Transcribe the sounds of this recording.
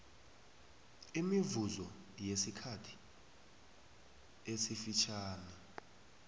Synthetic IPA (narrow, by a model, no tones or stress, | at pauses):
imivuzɔ | jesikʰatʰi̥ | esifit͡ʃʰaːnɛ